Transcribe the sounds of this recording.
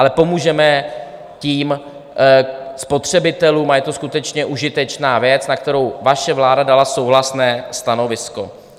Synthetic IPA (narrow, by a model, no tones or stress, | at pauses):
ʔalɛpo̞muːʒɛmɛ | ciːm | spo̞t̪r̝̥ɛbɪt̪ɛluːmajɛt̪oskut̪ɛt͡ʃɲɛʔuʒɪt̪ɛt͡ʃnaːvjɛt͡snak̚t̪ɛɾo̞wvaʃɛvlaːdadalaso̞wɦlasnɛːst̪ano̞vɪsko̞̰